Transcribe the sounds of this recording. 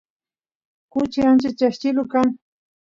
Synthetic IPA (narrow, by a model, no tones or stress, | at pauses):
kʊt͡ʃɪant͡ʃɪt͡ʃaʃt͡ʃɪlʊkaŋ